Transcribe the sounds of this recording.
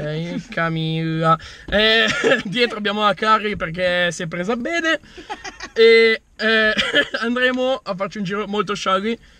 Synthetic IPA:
ɛjkʰamiaɛd̪jɛt̪ɾoabjaːmoakarːiperk̬esjɛp̬ːɾeːzaːbːeːd̪e | e | ɛand̪ɾeːmoafːart͡ʃiund͡ʒiːɾomolt̪oʃaɡi

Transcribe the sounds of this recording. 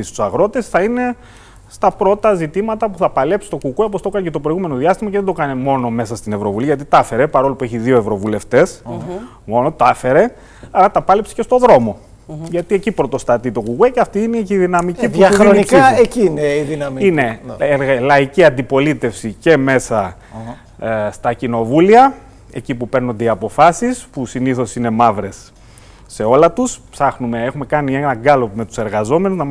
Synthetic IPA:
ist̪u̥sɐɣɾo̞t̪esθɐine̞ | st̪ɐpɾo̞t̪ɐzit̪imɐt̪ɐpuθɐpɐle̞psi̥t̪o̞kukuep̬ost̪o̞kɐncet̪opɾoiɣume̞no̞ðiɐst̪imɐceðed̪o̞kɐnemo̞no̞me̞sɐst̪ine̞vɾo̞vuliʝɐt̪̬it̪ɐfe̞ɾe̞pɐɾo̞lupueçiðio̞e̞vɾo̞vule̞ft̪e̞s | mo̞not̪ɐfe̞ɾe̞ | ɐɾɐt̪ɐpɐlepsi̥ce̞st̪o̞ðɾo̞mo̞ | ʝɐt̪ie̞cipɾo̞t̪o̞st̪ɐt̪it̪o̞ɣuɣweceɐft̪iineiðinɐmicipuɐɾoikecineiðinɐine̞ɾɣlɐiciɐnd̪ipo̞lit̪e̞fsice̞me̞sɐ | st̪ɐcino̞vuliɐ | e̞̰cipupe̞ɾno̞nd̪eiɐpo̞fɐsispusiniθo̞sine̞mɐvɾe̞sː | e̞o̞lɐt̪uspsɐxnume̞e̞xume̞kɐnienɐɡɐlo̞pme̞t̪u̥se̞ɾɣɐzo̞me̞nuznɐ

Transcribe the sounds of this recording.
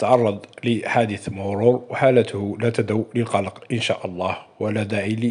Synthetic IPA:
t̪ʕɑrˤːɑd̪ˤləħaːd̪əθmʊwɾˤuːɾˤwħaːlət̪ʰʊhlæt̪ad̪awləlqɑlɑqʔənʃa̰ʔɑlˤːɑːhwəlːad̪aʕili

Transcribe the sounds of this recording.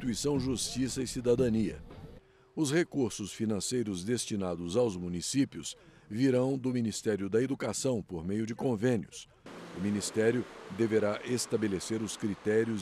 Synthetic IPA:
t̪uisɐ̃w̃ʒust͡ʃisɐɪsid̪ad̪ɐniɐ̰ | ʊshekuɾsʊsfinɐ̃sejɾʊzd̪est͡ʃinad̪ʊzawzmunisipjʊsviɾɐ̃w̃d̪ʊminist̪ɛɾjʊd̪ɐed̪ukasɐ̃w̃poɾmejʊd͡ʒɪkõvẽnjʊs | ʊminist̪ɛɾjʊd̪eveɾaʔest̪abeleseɾʊskɾit̪ɛɾjʊ

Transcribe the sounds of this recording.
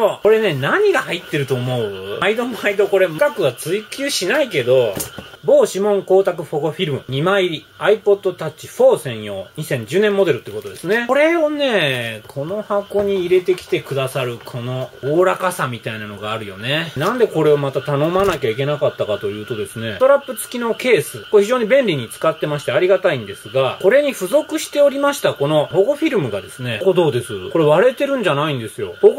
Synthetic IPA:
oko̞ɾe̞ne̞naɲ̟iɡahait̪ːe̞ɾɯ̟t̪o̞ːmo̞ɯaid̪o̞maid̪o̞ko̞ɾe̞mkakɯ̟βat͡sɨikʲɨːɕinaike̞d̪o̞bo̞ːɕimõ̞ŋko̞ːt̪akɯ̟ɸo̞ko̞ɸʲiɾɯmɯ̟ɲ̟imaiɾʲi | aipo̞d̪ːo̞t̪at͡ɕiɸo̞ːsẽ̞ɰ̃jo̞ːɲ̟isẽ̞ɲ̟d͡ʑɨːnemːo̞d̪e̞ɾɯ̟t̪eiɯko̞t̪o̞d̪e̞sɨne̞ɾe̞o̞ne̞ːkʰo̞no̞hako̞ɲ̟iːɾe̞t̪e̞kʲi̥t̪e̞kɯ̟d̪asaɾɯ̟kʰo̞no̞oːɾakasamʲit̪ainano̞ɡaːɾɯ̟jo̞ne̞nãnd̪e̞ko̞ɾe̞omat̪at̪ano̞manakʲaik̬ʲe̞nakat̪ːakat̪o̞jɯ̟ːt̪o̞d̪e̞sɨne̞t̪o̞ɾapːɯt͡sɨ̥kʲino̞ke̞ːsɨkoçʲiʑo̞ːɲ̟ibẽ̞nɾʲiɲ̟it͡sɨ̥kat̪ːe̞maɕi̥t̪e̞aɾʲiɡat̪aĩnd̪e̞sɨɡako̞ɾe̞ɲ̟iɸɯ̟zo̞kɯ̟ɕi̥t̪e̞o̞ɾʲimaɕi̥t̪ako̞no̞ho̞ɡo̞ɸʲiɾɯ̟mɯ̟ɡad̪e̞sɨnekod̪o̞ːd̪e̞sɨko̞ɾe̞βaɾe̞t̪e̞ɾɯ̟̃ɲ̟d͡ʑanaĩnd̪e̞sɨjo̞hoɡo

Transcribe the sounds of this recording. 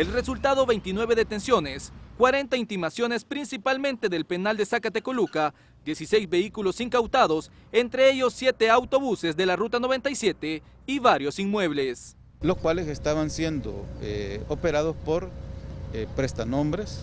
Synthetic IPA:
elre̞sult̪aðoβe̞jnt̪inwe̞βe̞ðet̪e̞nsjo̞ne̞skwaɾe̞nt̪aint̪imasjo̞ne̞spɾinsipalmẽnt̪e̞ðe̞lpe̞nald̪esakat̪e̞koluka | d̪je̞sise̞jzbe̞ikulo̞siŋkawt̪aðo̞s | e̞nt̪ɾe̞e̞ʝo̞sːje̞t̪e̞awt̪o̞βuse̞zðe̞larut̪ano̞βe̞nt̪ajsje̞t̪e | iβaɾjo̞sinmwe̞β̞le̞s | loskwalesest̪aβansje̞nd̪o̰eopeɾaðospoɾepɾest̪anõmbɾes

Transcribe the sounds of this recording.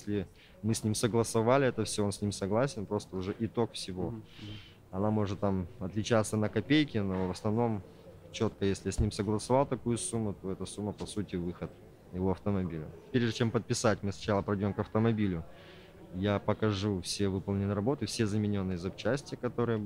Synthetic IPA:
sʲlʲɪ | mɨsʲnʲimsəɡlˠəsɐvalʲɪɛt̪əfsʲoonsʲnʲimsɐɡlˠasʲɪnpɾo̞st̪əʊʐɛʔɪt̪o̞kfsʲɪvo̞ | ɐnamo̞ʐɨt̪ːamɐt̪lʲɪt͡ɕat̪sənəkɐpʲejkʲɪno̞vəsnɐvno̞m | t͡ɕo̞t̪kəjesʲlʲɪjasʲnʲimsəɡlˠəsɐvalˠt̪ɐkujʊsumːʊt̪o̞ɛt̪əsumːəpɐsutʲɪvɨxət̪ | jɪvo̞ɐft̪əmɐbʲilʲɐ̰pʲeɾʲʐd̪ɨt͡ɕempət̪̚pʲɪsatʲmɨsnɐt͡ɕalˠəpɾɐjdʲo̞mkɐft̪əmɐbʲilʲʊ | japəkɐʐufsʲevɨpəlˠnʲɪnɨɾɐbo̞t̪ɨfsʲe̞zəmʲɪnʲo̞nːɨjəzɐpt͡ɕːæsʲtʲɪjəkɐt̪o̞ɾɨjə

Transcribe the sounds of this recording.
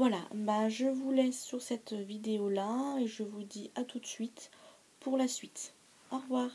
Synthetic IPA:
vwalabaʒəvulɛsːyʁsɛt̪vid̪eolaeʒəvud̪iat̪ut̪sɥit̪ | pʰuʁlasɥit̪ | ɔʁvwaːʁ

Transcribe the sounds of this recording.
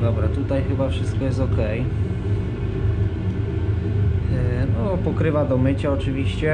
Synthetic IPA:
d̪ɔbɾat̪ut̪ajxɘbafʂɘst̪̚kɔjɛst̪ɔkɛj | nɔpɔkɾɘvad̪ɔmɘt͡ɕaɔt͡ʂɘvʲiɕt͡ɕɛ

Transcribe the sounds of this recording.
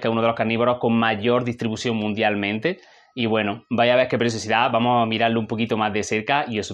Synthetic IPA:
keunoðelo̞hkaɾniβoɾo̞hko̞ŋmaʝo̞ɾðist̪ɾiβusjo̞ŋmũnd̪jalmẽ̞nt̪e | iβwe̞nobajaβeɾke̞pɾes̬josiðabamoamiɾaɾloumpo̞kit̪omazðe̞se̞ɾkaies

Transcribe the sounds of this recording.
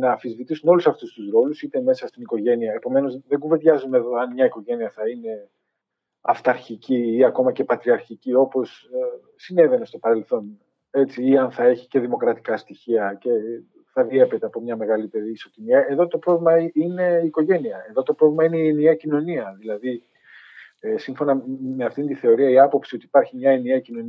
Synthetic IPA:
nɐːfizvit̪isuno̞lusɐft̪ust̪usɾo̞lusit̪e̞me̞sɐst̪iniko̞ʝe̞niɐepo̞me̞no̞zðeɡuve̞ðʝɐzuneðo̞ɐnmɲɐiko̞ʝe̞niɐθɐine̞ | ɐft̪ɐɾçiciiɐko̞mɐce̞pɐt̪ɾiɐɾçicio̞po̞s | sine̞ve̞ne̞st̪o̞pɐɾe̞lθo̞n | e̞t͡siiɐnθɐe̞çi̥ce̞ðimo̞kɾɐt̪i̥kɐst̪içiɐce̞ | θɐðie̞pet̪eɐpo̞mɲɐme̞ɣɐlip̪e̞ðiːso̞t̪iniɐʔe̞ðo̞t̪o̞pɾo̞vlimɐiine̞iːko̞ʝe̞niɐe̞ðo̞t̪o̞pɾovlimɐine̞ienieɐcino̞niɐðilɐði | esiɱfo̞nɐme̞ɐft̪int̪iθe̞o̞ɾiɐiɐpo̞psiot̪iːpɐɾçimɲɐe̞nieɐcino̞n

